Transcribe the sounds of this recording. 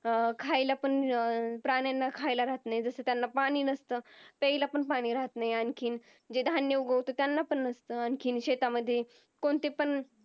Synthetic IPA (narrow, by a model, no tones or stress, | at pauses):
kʰajlapəɳpɾaɽ̃janːakʰajlaɾaɦət̪najed͡zəsəːt̪janːapaɽ̃iːnəst̪əːpəilapəɳpaɽ̃iːɾaɦət̪najeankʰiːn | d͡ʑed̪ʱanjeuɡəʋt̪ot̪janːapəɳːəst̪əːankʰiːnɕet̪aməd̪ʱːje | koɳt̪epən